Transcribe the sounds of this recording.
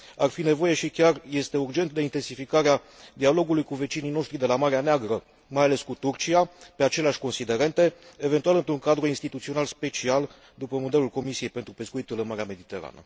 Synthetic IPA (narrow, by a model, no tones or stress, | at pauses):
arfine̞vo̞je̞ʃikʲarje̞st̪e̞urd͡ʒe̞nt̪̚d̪e̞int̪e̞nsifikaɾea | d̪ialo̞ɡulujkuve̞t͡ʃinijno̞ʃt̪ɾid̪e̞lamaɾeaneaɡɾə | majale̞skut̪urt͡ʃiape̞at͡ʃe̞leaʃʲko̞nsid̪e̞ɾe̞nt̪e̞eve̞nt̪ualɨnt̪ɾuŋkad̪ɾuinst̪it̪ut̪sio̞nalspe̞t͡ʃial | d̪upəmo̞d̪e̞lulko̞misije̞jpe̞nt̪ɾupe̞skuit̪ulɨnmaɾeame̞d̪it̪e̞ɾa̰nə̰